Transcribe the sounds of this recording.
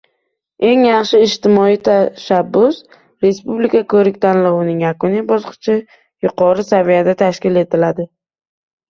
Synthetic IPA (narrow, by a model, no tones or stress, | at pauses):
e̞ŋjɑχʃɪːʃt̪ɪmɒijt̪ʰaʃabːʊs | ɾe̞spublikʰakʰɵɾɪkʲt̪ʰanlɒwʊnɪŋjakʊnibɒsqʰɨ̥t͡ʃʰɪ | jʊqʰɒɾɪsavijad̪at̪ʰaʃkʲɪle̞t̪ʰɪlad̪ɪ